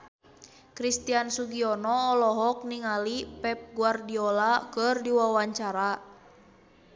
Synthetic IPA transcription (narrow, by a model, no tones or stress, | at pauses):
kɾist̪iansuɡiɔnɔːlɔɦɔk̚niŋalipɛp̚ɡuardiɔlakərdiwawaɲt͡ʃaɾa